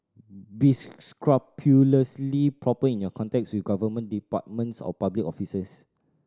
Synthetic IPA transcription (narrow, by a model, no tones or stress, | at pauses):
bisskɹapʰjuləslipʰɹɔpəĩnjɔkʰɔ̃ntɛk̚swifɡavəmə̃ndipa̰t̚mə̃nsɔ̰pablikɔfisəs